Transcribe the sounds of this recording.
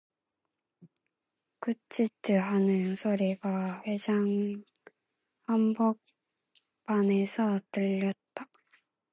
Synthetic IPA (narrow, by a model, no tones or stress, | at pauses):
kut͡ɕ͈ʰitɯɦanɯnsʰoɾiɡaɸed͡ʑaŋ | hambok̚ | p͈ane̞sʰʌtɯʎːʌt̚t͈a